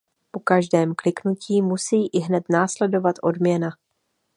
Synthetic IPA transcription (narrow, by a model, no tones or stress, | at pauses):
po̞kaʒdɛːmklɪknuciːmusiːʔɪɦnɛt̪naːslɛdo̞vat̪ʔo̞̰dmɲɛna